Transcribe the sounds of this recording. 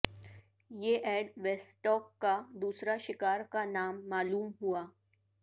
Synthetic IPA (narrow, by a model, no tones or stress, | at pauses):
jeːʔɛːɖʋɛsʈɔːkːad̪uːsɾaʃɪkaːɾkanaːmːaːluːmɦuaː